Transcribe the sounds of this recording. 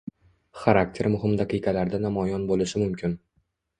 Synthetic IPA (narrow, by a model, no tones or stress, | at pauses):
χaɾak̚t̪ʰe̞ɾmʊɦɪmd̪aqɨjqʰalaɾd̪anamɒjɒnbolɪʃɪmʊmkʲɪn